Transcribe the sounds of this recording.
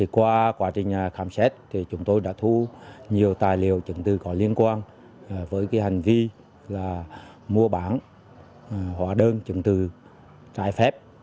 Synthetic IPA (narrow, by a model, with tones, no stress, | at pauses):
t̪ʰi˨˩kwaː˧kwaː˨˦˥t͡ɕï˨˩ŋ̟ɲaː˨˩xaː˨˧˦msɛ˦˥t̚t̪ʰi˨˩t͡ɕʊ˨˦ŋ͡mt̪o˧jɗa̰ː˧˥t̪ʰu˧ɲi˨˩əwt̪aː˨˩jli˨əwt͡ɕə̰˧˩ŋt̪ɨ˨˩kɔ˨˦li˧ənkwaː˧nː˨˩ | vəː˨˦jkaː˨˦jha˨˩jŋ̟vi˧ | laː˨˩ | mu˧əɓaː˧˩n˨ | hwaː˨˩ɗəː˧nt͡ɕə̰˧˩ŋt̪ɨ˨˩ | t͡ɕa̰ː˧˩jfɛ˦˥p̚